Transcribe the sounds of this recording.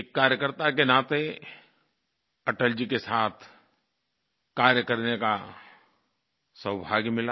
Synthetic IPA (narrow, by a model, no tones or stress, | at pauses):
kːaːɾjəkəɾt̪akenaːt̪e | ɐʈəld͡ʒikesaːt̪ʰ | kaːɾjəkəɾneka | səwbʱaːɡimɪla